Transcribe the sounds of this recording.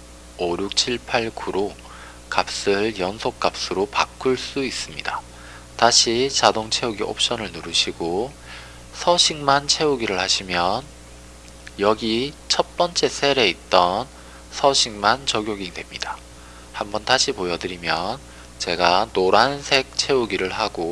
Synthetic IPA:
oɾjuk̚t͡ɕʰiɭpʰaɭkuɾo | kap̚s͈ɯɭjʌnsʰok̚k͈ap̚s͈ɯɾopak͈ʰuɭs͈uis͈ɯmɲida | taɕʰit͡ɕadoŋt͡ɕʰe̞uɡiʔo̰p̚ɕ͈ʌnɯɭnuɾɯɕʰiɡo | sʰʌɕʰiŋmant͡ɕʰe̞uɡiɾɯɭhaɕʰimjʌn | jʌɡit͡ɕʰʌt̚p͈ʌnt͡ɕ͈e̞sʰe̞ɾe̞it̚t͈ʌn | sʰʌɕʰiŋmant͡ɕʌɡjoɡidwe̞mɲid̥a | hambʌntaɕʰipojʌdɯɾimjʌn | t͡ɕe̞ɡanoɾansʰe̞k̚t͡ɕʰe̞uɡiɾɯɭɦaɡo

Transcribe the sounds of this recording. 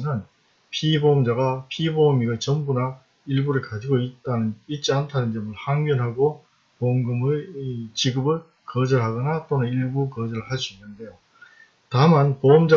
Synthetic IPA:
nɯn | pʰibomd͡ʑaɡapʰibomiɡɯɭt͡ɕʌmbuna | iɭbuɾɯɭkad͡ʑiɡoit̚t͈anɯnit̚t͡ɕ͈iantʰanɯnd͡ʑʌmɯɭhaŋɡjʌnɦaɡo | poŋɡɯmɯt͡ɕiɡɯbɯɭ | kʌd͡ʑʌɭɦaɡʌnat͈onɯniɭbukʌd͡ʑʌɾɯɭɦaɭs͈uinːɯnde̞jo | tamanpoʌmd͡ʑa

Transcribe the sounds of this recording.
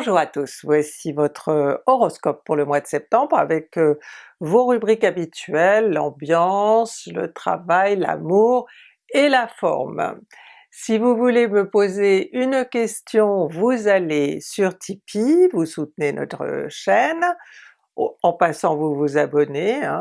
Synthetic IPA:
bɔ̃ʒuʁat̪usvwasivɔt̪χəɔʁɔskɔpːuʁləmwad̪əsɛp̚t̪ɑ̃bʁa̰vɛk | voʁybʁikabit̪ɥɛlːɑ̰̃bjɑ̃slə̰t̪χa̰vajla̰muːʁ | elafɔ̰ʁm | sivuvuleməpozeynkʲɛst̪jɔ̃vuzalesyʁt̪ʰipʰivusut̪̚nenɔ̰t̪χə̰ʃɛn | ɑ̃pasɑ̃vuvuzabɔneɛ̃

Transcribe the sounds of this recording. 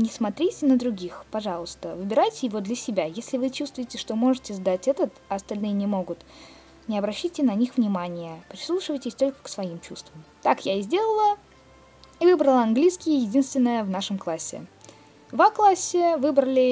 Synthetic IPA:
nʲɪsmɐt̪ɾʲitʲɪnəd̪ɾʊɡʲixpɐʐɑlˠəst̪əvɨbʲɪɾajtʲɪjɪvo̞d̪lʲəsʲɪbʲajesʲlʲɪvɨt͡ɕust̪vʊjɪtʲɪʂt̪o̞mo̞ʐɨtʲɪzd̪atʲɛt̪ət̪ɐɐst̪ɐlʲnɨjənʲɪmo̞ɡʊt̪ | nʲɪɐbɾɐɕːitʲɪnɐnʲixvnʲɪmanʲɪjəpɾʲɪslˠuʂɨvəjtʲɪsʲt̪o̞lʲkə̥ksvɐimt͡ɕust̪vəmt̪akjaɪzʲdʲe̞lˠəlˠə | ivɨbɾəlˠəɐnɡlʲijskʲɪjəjɪdʲinst̪vʲɪnːəjəvnaʂɨmklˠasʲːɪ̰ | vaklˠasʲːɪvɨbɾəlʲɪ

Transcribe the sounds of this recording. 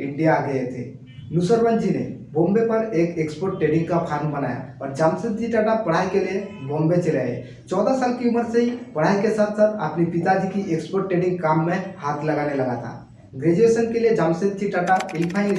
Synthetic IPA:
ɪɳɖijaɡəjet̪ʰḛ | nusəɾband͡ʒinḛbõmbepəɾeːkekspoɾʈʈːeɖɪ̃ŋɡkapʰaɾnbənaja̰ɔːɾd͡ʒaːmsed̪̚d͡ʒiʈaʈap̚pːɐɽ̤ajkeliebõmbet͡ʃeleḛ | t͡ʃɔːd̪asaːlkiuməɾseɦipɐɽ̤ajkesat̪ʰsət̪a̰pnipit̪ad͡ʒʱikiʔekspoːɾʈːeɖiŋɡkamːẽhaːt̪ʰlɐɡanelɐɡa̰t̪ʰa̰ | ɡɾed͡ʒuesənkelijed͡ʒamsed̪̚d͡ʒiʈaʈapɪlpʰã

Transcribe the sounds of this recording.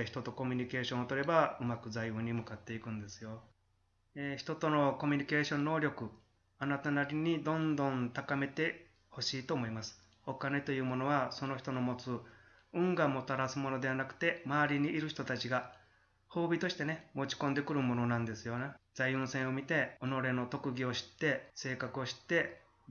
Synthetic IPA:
çi̥t̪ot̪o̞ko̞mʲiɲ̟ike̞ːɕõ̞ɰ̃ot̪o̞ɾe̞baɯ̟makɯ̟zaiɯ̃ɲ̟ːimɯ̟kat̪ːe̞ikɯ̟̃nd̪e̞sɨ̥jo̞ | eçi̥t̪o̞t̪o̞no̞ko̞mʲiɲ̟ike̞ːɕõ̞nːo̞ːɾʲo̞kɯ̟ | anat̪anaɾʲiɲ̟id̪õ̞nd̪õ̞nt̪akame̞t̪e̞ | ho̞ɕiːt̪o̞ːmo̞imasɨ̥ | o̞kane̞t̪o̞jɯ̟ːmo̞no̞βaso̞no̞çʲi̥t̪ono̞mo̞t͡sɨ | ɯ̃ŋɡãmːo̞t̪aɾasɨmo̞no̞d̪e̞βanakɯ̟̥t̪e̞maaɾʲiɲ̟iʔiɾɯ̟çi̥t̪o̞t̪at͡ɕiɡa | ho̞ːbʲit̪o̞ɕi̥t̪e̞ne̞mo̞t͡ɕi̥kond̪e̞kɯ̟ɾɯ̟mo̞no̞nãnd̪e̞sɨjo̞ned͡zaiɯ̟̃sẽ̞ɰ̃o̞mʲit̪e̞ono̞ɾe̞no̞t̪o̞kɯ̟ɡʲio̞ɕi̥t̪ːe̞se̞ːkakɯ̟o̞ɕi̥t̪ːe̞

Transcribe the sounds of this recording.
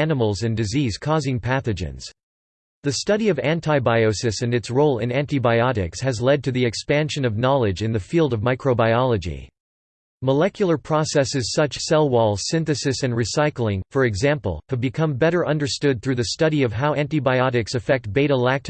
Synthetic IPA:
ænəml̩ˠzɨ̃ndɨziz̥kʰɔzɪ̃ŋpʰæθɨd͡ʒɨ̰̃nz̥ | ðɨstʌɾiʌvæ̃ntʰaɪbaɪoʊsɨsɨ̃nɨtsɹoʊlˠɪ̰̃næ̃ntibaɪɑɾɪ̰kshɨzlɛd̚tʰɨðiɨkspæ̃nʃɨ̃nʌvnɑlˠɨd͡ʒɨ̃nðɨfilˠdʌvmaɪkʰɹoʊbaɪɑlˠəd͡ʒḭ | məlɛkjl̩ˠə˞pʰɹ̥ɑsɛsɨz̥sʌt͡ʃsɛlˠwɔlˠsɪ̃nθɨsɨsɨ̃nɹisaɪkl̩ˠɪ̃ŋfə˞ɨɡzæ̃mpl̩ˠhʰɨbɨkʰʌ̃mbɛɾə˞ʔʌ̃ndə˞stʊd̪̚θɹʉðɨstʌɾiʌv̥ɦaʊæ̃ntibaɪɑɾɨksɨfɛk̚t̚b̥eɪɾəlæk̚tʰ

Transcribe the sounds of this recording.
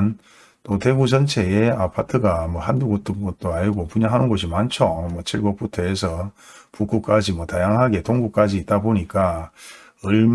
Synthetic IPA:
n | t͈ote̞ɡud͡ʑʌnt͡ɕʰe̞eapʰatʰɯɡamwʌɦanduɡot͈ɯŋɡʌt̚t͈oaɭɡopuɲaɦanɯnɡoɕ̬ʰimant͡ɕʰomwʌt͡ɕʰiɭɡop͈ʰutʰoe̞sʰʌ | puk͈uk͈ad͡ʑimwʌtajaŋɦaɡe̞toŋɡuk͈ad͡ʑiːt̚t͈aboɲik͈a | ɯɭm

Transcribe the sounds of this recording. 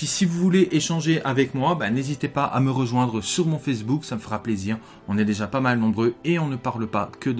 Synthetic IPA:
isivuvuleʔeʃɑ̃ʒeʔavɛkmwabɛ̃nezit̪epaʔa̰məʁəʒwɛ̃d̪ʁəsyʁmɔ̃fɛs̬buksaməfəʁapleziːʁ | ɔ̃nɛd̪eʒapamalnɔ̃bʁøeɔ̃nəpaʁlpakəd̪

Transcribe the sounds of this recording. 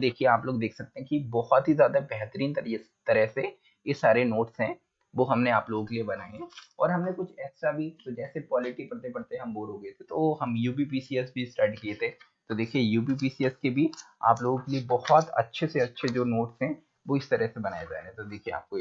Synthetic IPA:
d̪eːkʰieaːploːɡd̪eːkʰsɐk̚t̪ẽɦɛ̃kibɔhɔt̪ɦizjaːd̪abɛɦt̪əɾiːnt̪ɐɾ | t̪ɐɾəɦse | jesaːɾenoːʈsɦɛ̃ | ʋoɦɐmneaːploːɡõkeliebɐnaːeɦɛ̃ɔːɾɦɐmnekʊt͡ʃʰɛːsabʱid͡ʒ̪od͡ʒɛːsekwaːlɪʈipɐɽt̪epɐɽt̪eɛɦɐ̃mboːɾɦoːɡɐet̪ʰet̪oɦɐmjuːbip̬iːsiɛsbʱisʈaːɾʈkiet̪ʰe | t̪od̪eːkʰiejuːpip̬iːsiɛskebʱia̰ːploːɡõkeliebɔhɔt̪ɐ̰tːʃʰeseɐtːʃʰed͡ʒoːnoːʈsɦɛ̃ | ʋoɪst̪ɐɾəsebɐnaːed͡ʒa̰ːeɛ̃t̪od̪eːkʰiea̰ːp̚ko

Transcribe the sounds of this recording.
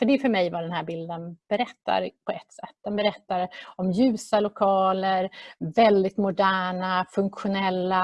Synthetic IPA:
fœɖɛfœɾmɛjvad̪ɛnhæːɾbɪld̪ənb̥ɛɾɛt̪ːa̰ɾpʰɔɛt̪sɛt̪ːd̪ɛnbɛɾɛt̪ːaɾɔmjʉ̟ːsalʊkʰɑːləɾvɛld̪ɪt̪mʊd̪æːɳafɵŋkɧʊnɛlːa

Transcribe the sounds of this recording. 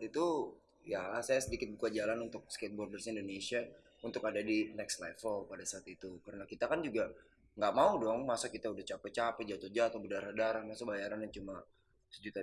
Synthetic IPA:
t̪it̪u | jasajasədikɪt̪̚bukad͡ʒalanunt̪ʊk̚sket̪̚bɔrdərsindonesia | unt̪ʊkadadinɛkslafəlpadasaːt̪it̪ukaɾənakit̪akand͡ʒuɡa | ŋɡaʔmaudɔŋmasakit̪audaht͡ʃapɛt͡ʃapɛd͡ʒat̪od͡ʒat̪obədaɾadaɾahmasəbajaɾanjat͡ʃuma | səd͡ʒut̪a

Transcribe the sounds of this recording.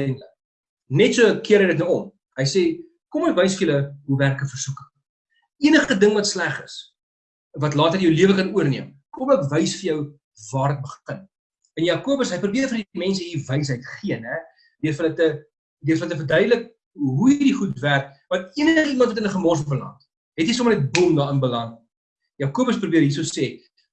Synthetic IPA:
nlək̚ | nɛtsuəkiəɾɦəjdətnəɔm | ɦəjse | kɔməkvəjsfəələɦuværkəfərsukə | iənəχədəŋvɐtslæχəs | vɐtlɑːtərjəwliəvəkɐnuərniəm | kɔməkvəjsfərjœw | vɑːrdət̚bəχən | ənjɑːkuəbəsɦəjprubiərfərdimɛnsəɦiːvəjs̬ɦəjtχiənɦɛ | døərfələtə | døərfɐlətəfərdœɥdələk̚ | ɦuidiχutværkmɐniənəəχəimɐntvɐtənəχəmɑs̬əfəlɐ̰nt | ɦɛtijs̬omənɛt̚bumdɑːənbəlɐŋ | jɑːkuəbəsprubiəɦis̬oseː

